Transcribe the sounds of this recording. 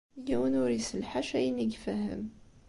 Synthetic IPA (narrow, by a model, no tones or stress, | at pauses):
jæwənʊɾisəlħaʃæjniɡfæhə̰m